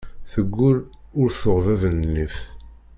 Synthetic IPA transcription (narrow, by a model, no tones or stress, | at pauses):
θəɡʷːʊɾʊɾθʊʁvævənlif